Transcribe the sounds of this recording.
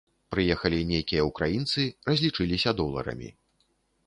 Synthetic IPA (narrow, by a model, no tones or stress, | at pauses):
pɾɨjɛxɐlʲinʲejkʲijɐukɾajint̪sɨrɐzʲlʲit͡ʂɨlʲisʲɐd̪ɔlˠɐ̰ɾɐ̰mʲḭ